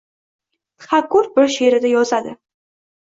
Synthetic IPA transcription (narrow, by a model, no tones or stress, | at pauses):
t̪ʰχakːʊɾbɪɾʃeɾɪd̪ajɒzad̪ɪ̰